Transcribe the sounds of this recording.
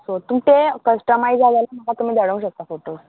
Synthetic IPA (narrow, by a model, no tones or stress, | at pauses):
sot̪umt̪ekəsʈəmajd͡zaɡajlam̤əkat̪um̤iːd̪əɽəũkɕək̚t̪afoʈoɾ